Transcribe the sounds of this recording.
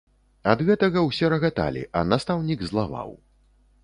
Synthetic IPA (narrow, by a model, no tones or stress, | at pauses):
ɐd̪ɣɛt̪ɐɣɐwsʲɛɾɐɣat̪a̰lʲḭʔɐ̰nast̪awnʲiɡzlˠava̰w